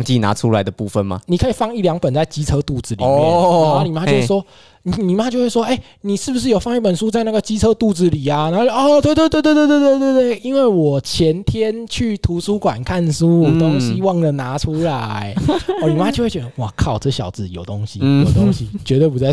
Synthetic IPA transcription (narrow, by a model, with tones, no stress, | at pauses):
ŋt͡ɕi˥˧˩na̰˧˦ʈ͡ʂʰu˦la˧˦ɪd̪ə˧pu˥˩fə˨nma̰˨˩ni˨˩kʰɤ˦˥i˨˩fɑ˥˧ŋi˥˩ljɑ˧˥ŋpə˨˩nt͡sa˥˩ɪt͡ɕi˥t͡sʰɤ˥t̪u˥˩t͡sɹ̩˨li˨˩˥a˥˩ni˨˩ma˥t͡ɕo˥˧xwe˩wɔ˥ | ni˨˩ni˨˩ma˦˥t͡ɕjo˥˧ʊxwe˥˩ʂwɔ˥ʔe˥˩ɪ | ni˨˩ʂɻ̩˥˩bu˩ʂ̬ɻ̩˥˩jo˨˩ʊfɑ˥˧ŋi˥˩pə˨˩nʂu˦t͡sa˥˧ɪna˥˩ɡə˨t͡ɕi˥t͡sʰɤ˥t̪u˥˩d͡zɹ̩˨li˨˩ɐ˨na˨˧˥ɔ˥˧˩t̪we˥˧ɪt̪we˥ɪt̪we˥ɪt̪wt̪we˥˧t̪t̪we˥˧ɪt̪we˥˧ɪt̪we˥˩ɪi˦˥nwe˥˩ɪwɔ˨˩t͡ɕʰjɛ˨˦˥nt̪ʰjɛ˥nt͡ɕʰy˥˩t̪ʰu˨˧˥su˥kwa̰˨˩nkʰa˥˧nsu˥o˦˥ŋɕi˧˥wɑ˥˩ŋd̪ə˨na˧˥ʈ͡ʂʰu˥la˨˦ɪɔ˧˩ni˨˩ma˦t͡ɕjo˥˧ʊxwe˥˩t͡ɕɛ˧˥d̪ə˧wɔ˨˩kʰɑ˨˩ʊʈ͡ʂɤ˥˩ɕjɑ̰˨˩ʊt͡sɹ̩˨˩jo˨˩ʊt̪o˦˥ŋɕi˦jjo˨˩ʊt̪o˥ɕi˦t͡ɕɥɛ˧˥t̪we˥˩p̬u˧˥t͡sa˧ɪ